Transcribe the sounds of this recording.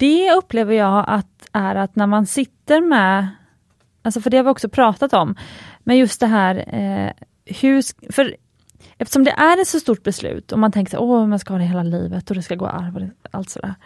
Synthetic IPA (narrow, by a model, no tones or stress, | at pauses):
d̪̥ɛɵpːleːvəɾjɑːɡʔa̰t̪ | æɾat̪næɾmansɪt̪ːəɾmɛ | alsɔfœɖɛhaɾvɪɔksɔpʰɾɑːt̪at̪ɔmmɛnjɵst̪̚d̪ɛɦæːɾ | hɵfœɾ | ɛft̪ə̥ʂɔmd̪ɛ̰ʔæɾɛt̪sɔst̪uːʈ̚bɛslʉ̟̰ːt̪ɔmant̪ʰɛŋkəʂæ̰ʔɔmanskahɑːd̪ɛɦeːlaliːvət̪ɔd̪ɛskaɡo̰ːʔa̰ɾvɔd̪ɛa̰lt̪sɔd̪æ̰ːɾ